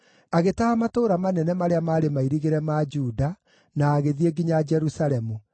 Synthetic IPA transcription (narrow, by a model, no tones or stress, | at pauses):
aɣetahamatoːɾamanɛnɛmaɾeamaːɾemaiɾiɣeɾɛmad͡ʒuːda | naːɣeðieɡiɲad͡ʒɛɾusaɾɛmu